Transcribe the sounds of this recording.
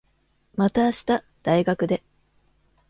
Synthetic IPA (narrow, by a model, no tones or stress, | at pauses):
mat̪aːɕi̥t̪a | d̪̥aiɡakɯ̟d̪e̞